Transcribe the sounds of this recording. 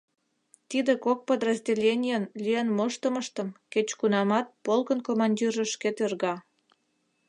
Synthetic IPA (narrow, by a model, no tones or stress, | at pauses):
t̪id̪ekok̚pəd̪rəzʲdʲelʲenʲijənlʲijenməʃt̪əməʃt̪əmket͡ɕkunɑmɑt̪̚polkənkomɑnʲdʲirəʃket̪ørɣɑ